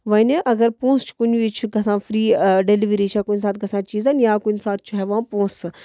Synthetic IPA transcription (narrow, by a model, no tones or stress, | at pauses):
ʋɐneʔɐɡɐɾpõːst͡ʃʰkunʋit͡ʃʰɡɐsãːfʰɾiːɖeliʋɾit͡ʃʰaːkunʲsaːt̪̚ʰɡɐsãːt͡ʃiːzanjaːkunsaːt̪̚ʰt͡ʃʰaɦɛʋãːpõːsɨ